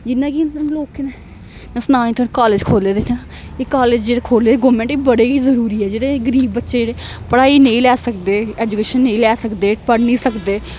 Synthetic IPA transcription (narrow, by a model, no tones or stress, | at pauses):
d͡ʒɪnːãːkinloːkenɛ | nɛ̃ːsnaːnĩːt̪ʰokaːled͡ʒkʰoːleːd̪et̪ʰãː | eːkaːleːd͡ʒd͡ʒeːɽeːkʰoːleːd̪eːɡoːmẽɳʈiːbəɽeːɡiːzəɾuːɾiːɛːd͡ʒeːɽeːɡəɾiːbːətːʃeːd͡ʒeːɽeː | pəɽaːiːnẽĩːlɛːsəkd̪eːɛːd͡ʒukeːʃənːẽĩːlɛːsəkd̪eːpəɽnĩːsəkd̪eː